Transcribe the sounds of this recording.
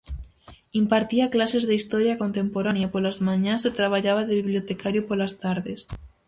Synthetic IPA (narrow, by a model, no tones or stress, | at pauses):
impaɾt̪iaklasezðeist̪oɾjakont̪empoɾanjapolazmaɲaset̪ɾaβ̞aʎaβ̞aðeβiβljot̪ekaɾjopoɾlast̪aɾðes